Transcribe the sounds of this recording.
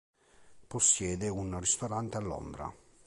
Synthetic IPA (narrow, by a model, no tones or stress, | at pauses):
posːjɛːd̪eunrist̪oɾant̪ealːo̰nd̪ɾa̰